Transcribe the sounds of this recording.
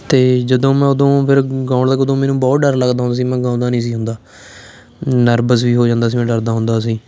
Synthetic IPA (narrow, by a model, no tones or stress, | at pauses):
t̪eːd͡ʒəd̪õːmɛ̃ːod̪õːpʰɪɾɡãːʊɳd̪aːʊd̪õːmeːnũːbɔːt̪̚ɖəɾləɡd̪aːɦʊnd̪aːs̬iːmɛ̃ːɡãːʊ̃nd̪aːnĩːs̬iːɦʊ̃nd̪aː | nəɾbəsʋiːɦoːd͡ʒãːnd̪aːs̬iːmɛ̃ːɖəɾd̪aːɦʊ̃nd̪aːs̬ĩː